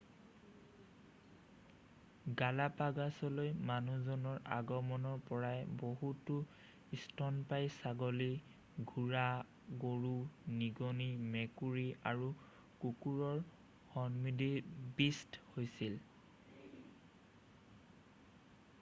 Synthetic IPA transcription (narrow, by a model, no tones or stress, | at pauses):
ɡalapaɡasɔlojmanuzɔnɔɹa̰ɡɔmɔnɔɹpɔɹajboɦutʊ | istʰɔnpajsaɡɔli | ɡʱuɹa | ɡoɹuniɡɔnimɛkuɹiaɹu | kukuɹɔɹ | hɔnmidibisthojsil